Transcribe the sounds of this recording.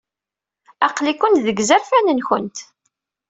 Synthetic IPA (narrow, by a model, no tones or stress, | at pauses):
ɑqlikʷʊnt̪ðəɡzæɾfænənxənt̪